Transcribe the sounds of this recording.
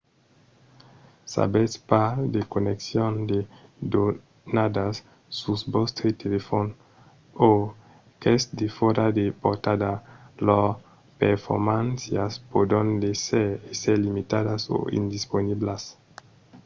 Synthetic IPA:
sa̰bespad̪ekoneksjond̪ed̪o | nad̪asː | usbɔst̪ɾet̪elefon | o | kesd̪efoɾad̪epoɾt̪ad̪alɔ | peɾfo̰ɾmãnsjaspod̪õnd̪eseeseɾlimit̪ad̪aso̰ḭnd̪isponiblas

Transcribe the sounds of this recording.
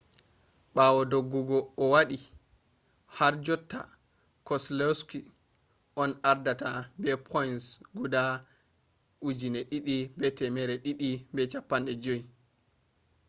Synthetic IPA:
ɓawɔdoɡːuɡɔːwaɗi | haɾd͡ʒɔtːa̰ | kɔslɛski | ʔɔnaɾdatabɛpʰɔjnsɡuda | ʔud͡ʒinɛɗiɗibɛtɛmɛɾɛɗiɗibɛt͡ʃapːanɗɛd͡ʒoj

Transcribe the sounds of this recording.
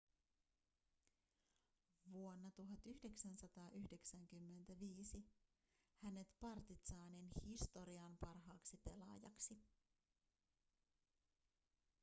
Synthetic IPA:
ʋuo̞nːɑt̪uɦɑt̪yhde̞ksænsɑt̪ɑːʔyhde̞ksæŋkymːe̞nt̪æʋiːsi | hæne̞t̪pɑrt̪it̪sɑːninhist̪o̞ɾiɑmpɑrɦɑːksipe̞lɑ̰jɑ̰ksi

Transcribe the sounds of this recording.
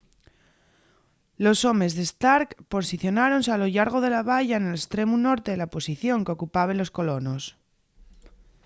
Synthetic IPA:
lo̞so̞me̞zðe̞st̪aɾkpo̞siθjo̞naɾo̞nsealo̞ʎaɾɣ̞o̞ðe̞laβ̞aʎaenelest̪ɾe̞muno̞ɾt̪eðelaopo̞siθjo̞ŋkeo̞kupaβe̞nlo̞sko̞lo̞no̞s

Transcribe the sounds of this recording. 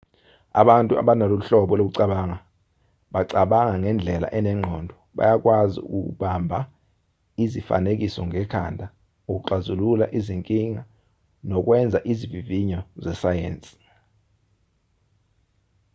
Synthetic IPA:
a̰ɓantʼua̰ɓanalouɬɔɓɔlok̬uǀaɓaːŋa | ɓaǀaɓaŋaŋɛnd͡ɮʱɛla̰ʔɛnɛŋ͡ǃʱɔndʱɔɓa̰jak̬ʼwazḭṵk̬ʼṵk̬uɓambʱa | izifa̰nek̬isɔŋɛkʰa̰ndʱa | uk̬uǃazululaʔiziŋkʼiŋa | nɔk̬wɛnd͡zʱaʔiziviviɲɔzɛsajḛːnt͡sʼi̥

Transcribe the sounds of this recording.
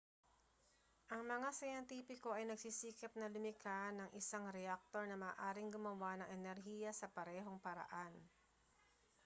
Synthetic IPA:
ʔɐŋmɐŋasɐjɛnt̪iːpɪko̞ɐjnɐɡ̚sisiːkɐp̚nɐlʊmɪkʰanɐŋʔɪsaŋɾɛak̚t̪oɹnɐmɐːʔaːɾɪŋɡʊmɐwanɐŋʔɛnɛɾɦiːjɐsɐpɐɾɛːɦo̞ŋpɐɾɐ̰ʔan

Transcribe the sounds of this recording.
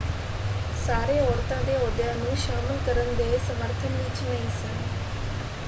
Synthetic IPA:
saːɾeːɔːɾt̪ãːd̪eːoːd̪jãːnũːʃaːməlkəɾənd̪eːsəməɾt̪ʰənĩːt͡ʃnəɦĩːsən

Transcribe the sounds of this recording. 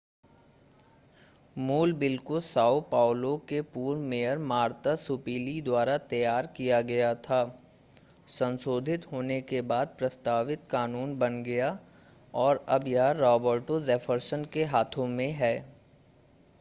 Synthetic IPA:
muːlbɪlkosaːupaːʊlõkepuːɾmejəɾmaːɾt̪asʊpiːlid̪waːɾat̪ɐjaːɾkijaɡɐjat̪ʰaː | sɐ̃nsoːd̪ʱɪt̪ɦoːnekebaːd̪̚pɾɐst̪aːʋɪt̪kaːnuːnbɐnɡɐja | ɔːɾɐbjɐɦaɾɔːbəɾʈozɛːfʰəɾsənkeɦaːt̪ʰõmẽɦɛː

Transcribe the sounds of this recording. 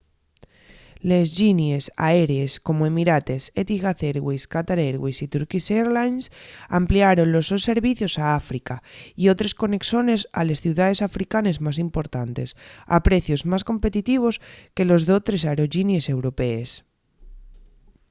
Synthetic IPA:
le̞zʝinjesa̰e̞ɾeesko̞moe̞miɾat̪e̞set̪iɣaθeɾɣweskat̪aɾeɾɣwisit̪uɾkiseɾlajnsampliaɾo̞nlo̞zðo̞sːe̞ɾβiθjo̞saafɾikaio̞t̪ɾesko̞ne̞kso̞ne̞sa̰le̞sθjuwðaðe̞safɾikane̞zmasimpo̞ɾt̪ant̪e̞sa̰pɾe̞θjo̞zmasko̞mpe̞t̪it̪iβ̞o̞ske̞lo̞zðot̪ɾe̞saɾo̞ʝinje̞se̞wɾo̞pees

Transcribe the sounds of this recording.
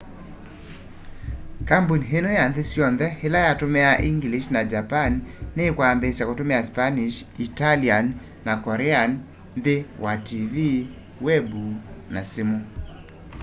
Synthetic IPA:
kambunɦenojand̪esjɔnd̪ɛhelajatʊmɛaʔiŋɡliʃnad͡ʒapanːekwanðesjakɔtʊmɛaspaniʃitalianː | akɔɾɛan | nd̪ewativi | wɛbunasɪmo

